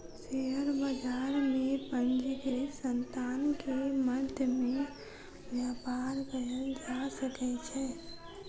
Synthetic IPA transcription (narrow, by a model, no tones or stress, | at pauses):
ʃseəɾbəd͡ʒaːɾmẽpə̃nd͡ʒikesə̃nt̪aːnkeməd̪ʱjəmẽ | ʋjaːpaːɾbəɦəld͡ʒasəkɛt͡ʃʰɛː